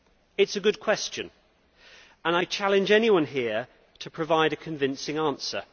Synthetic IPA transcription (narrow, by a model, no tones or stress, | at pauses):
ɪtsəɡʊd̚kʰw̥ɛst͡ʃɨ̃n | ə̃naɪt͡ʃʰalɪ̃nd͡ʒɛniwʌ̃nɦɪə | tʰəpʰɹ̥əvaɪɾɨkʰə̃ɱvɪ̃nsɪ̃ŋɑ̃ˑnsə̰